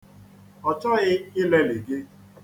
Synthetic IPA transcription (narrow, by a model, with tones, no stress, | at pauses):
ɔ˨t͡ʃɔ˦ɣɪ˦ɪ˦le˦li˨ɡe˦